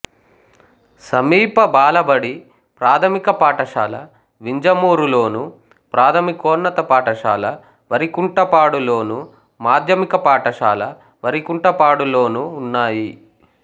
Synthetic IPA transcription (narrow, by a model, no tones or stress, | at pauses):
sɐmiːpɐbaːlɐbɐɽi | pɾaːt̪ʰɐmikɐpaːʈɐʂaːlɐ̰ | ʋiɲd͡ʒɐmuːɾulo̞ːnu | pɾaːt̪ʰɐmikoːnːɐt̪ɐpaːʈɐʂa̰ːlɐ | ʋɐɾikuɳʈɐpaːɽulo̞ːnu | maːd̪ʱjɐmikɐpaːʈɐʂʃa̰ːlɐ | ʋɐɾikuɳʈɐpaːɽulo̞ːnuːnːaːji